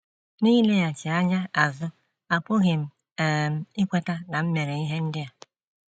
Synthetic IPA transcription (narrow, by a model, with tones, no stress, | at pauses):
niː˦le˦ja˨t͡ʃɪ˨a˦ɲa˦a˨zʊ˦ | a˨pʊ˦ɣe˨m̩˨ | m̩˨ɪ˦kʷe˦ta˦na˨m̩˦me˨ɾe˨i˦ɦe˦n̩˦dɪ˦ja˨